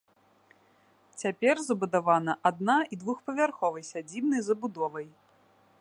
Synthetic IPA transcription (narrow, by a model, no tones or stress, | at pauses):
t͡sʲapʲɛrzɐbud̪avanɐʔad̪naid̪vuxpɐvʲarxɔvɐjsʲad͡zʲibnɐjzɐbud̪ɔvɐj